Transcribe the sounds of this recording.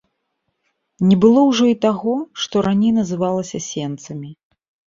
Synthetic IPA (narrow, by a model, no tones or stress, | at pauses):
nʲɛbɨlˠɔwʐɔit̪aɣɔʂt̪ɔɾanʲejnɐzɨvalˠɐsʲɐsʲɛnt̪sɐmʲi